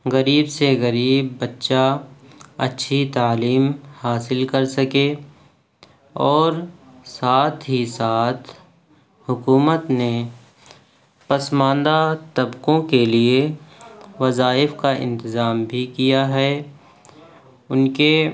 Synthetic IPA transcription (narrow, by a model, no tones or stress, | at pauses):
ɣɐɾiːbseɣɐɾiːbːɐtːʃa | ɐ̰tːʃʰit̪aːliːmhaːsɪlkɐɾsɐke | ɔːɾ | saːt̪ʰɦisaːt̪ʰ | hʊkuːmət̪ne | pɐsmãːnd̪at̪ɐbkõkelie | ʋɐzaːɪfkaʔɪ̰̃nt̪ɪzaːmbʱikijaɦɛ | ʊnke